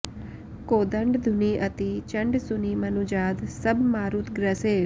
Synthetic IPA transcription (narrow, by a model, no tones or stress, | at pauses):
koːd̪əɳɖd̪ʱuniʔət̪it͡ʃəɳɖsunimənud͡ʒaːd̪səbʱmaːɾut̪ʰɡɾəse